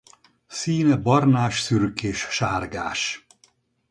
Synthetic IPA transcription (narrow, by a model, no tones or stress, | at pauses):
siːnɛbɒrnaːʃsyrkeːʃʃaːrɡa̰ːʃ